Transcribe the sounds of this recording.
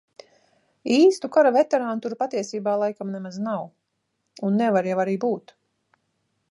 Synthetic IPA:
iːst̪ukaɾavɛt̪ɛɾaːnut̪uɾpat̪iɛsiːbaːlˠajkamnɛmaznaw | unːɛvaɾjavaɾiːbuːt̪

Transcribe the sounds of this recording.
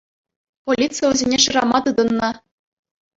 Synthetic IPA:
polʲit̪t͡sɨjʋʲɘ̆zʲenʲeʂɯ̆ɾɑmɑt̪ɯd̪ɤ̆nːɤ̆

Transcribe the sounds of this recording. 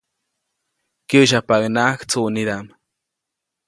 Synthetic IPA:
kiuʃ̬apaknakt͡suniɾam

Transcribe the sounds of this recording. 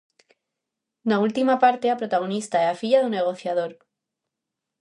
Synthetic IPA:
nault̪imapaɾt̪eapɾo̞t̪aɣ̞o̞nist̪aeafiʎaðune̞ɣ̞o̞θjað̞o̞ɾ

